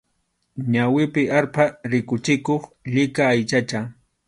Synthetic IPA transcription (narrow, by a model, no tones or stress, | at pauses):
ɲawɪpɪʔaɾpaɾɪkʊt͡ʃɪkoχʎɪkaːjt͡ʃat͡ʃa